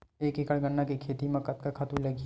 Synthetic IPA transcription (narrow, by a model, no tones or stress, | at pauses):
eːkekəɭɡɐɳːakekʰeːt̪imɐ̃kɐt̪kakʰaːt̪ulɐɡi